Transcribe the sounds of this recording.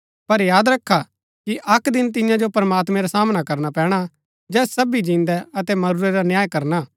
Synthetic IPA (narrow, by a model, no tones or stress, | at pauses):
pɐɾjaːd̪ɾɐkʰːa | kiʔɐkd̪ɪnt̪̬ɪjãd͡ʒopɾɐmaːt̪mɛ̃ɾasaːmnakɐɾnapɛːɽ̃a | d͡ʒɛːssɐbid͡ʒĩːnd̪ɛɐt̪ɛmɐɾuɾɛɾanjaːjkɐɾna